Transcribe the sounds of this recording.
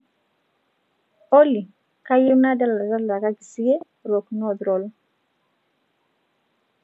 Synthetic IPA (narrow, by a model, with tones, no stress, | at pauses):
o˦li˨ | ka˦ju˦na˦da˦la˨da˦la˨ka˦ɡi˨si˦ɡe˦ | ɾo˨knɔ˦dɾo˨l